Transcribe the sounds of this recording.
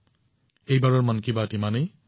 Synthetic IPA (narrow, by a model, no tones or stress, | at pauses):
ejbaɹɔɹmankibatimanej